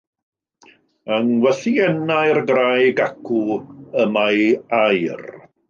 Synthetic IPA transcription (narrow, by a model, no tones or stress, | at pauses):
əŋwɛθiɛnajrɡrajɡakʰuəmajajr